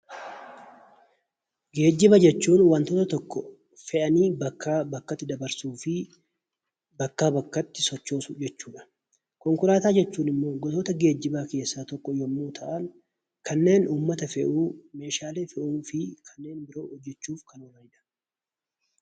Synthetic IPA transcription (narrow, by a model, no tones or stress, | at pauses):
ɡe̞ːd͡ʒːɪbɐd͡ʒɛt͡ʃːuːnwɐnt̪oːt̪ɐt̪ɔkːɔ | fɛʔɐniːbɐkʰːaːbɐkːɐt̪ːɪd̪ɐbɐɾsuːfɪ | bɐkːaːbɐkːɐt̪ːɪsɔt͡ʃːo̞ːsʊd͡ʒɛt͡ʃːuːᶑɐ̥ | kɔŋkʊɾaːt̪aːd͡ʒɛt͡ʃːuːnɪmːo̞ːɡɔt̪oːt̪ɐɡe̞ːd͡ʒːɪbaːke̞ːsːaːt̪ɔkːɔjɔmːoːt̪ʰɐʔɐn | kʰɐnːe̞ːnuːmːɐt̪ɐfɛʔuːme̞ːʃaːleːfɛʔuːfɪkʰɐnːe̞ːnbɪɾo̞ːhɔd͡ʒːɛt͡ʃːuːfkɐnomɐnɪᶑɐ̥